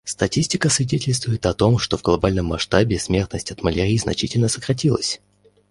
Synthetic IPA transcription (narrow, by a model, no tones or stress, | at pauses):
st̪ɐtʲisʲtʲɪkəsvʲɪdʲetʲɪlʲst̪vʊjɪt̪ɐt̪o̞mʂt̪o̞vɡlˠɐbalʲnəmːɐʂt̪abʲɪsmʲe̞rt̪nəsʲtʲɐt̪məlʲeɾʲiːznɐ̰t͡ɕitʲɪlʲnəsəkɾɐtʲilˠə̰sʲ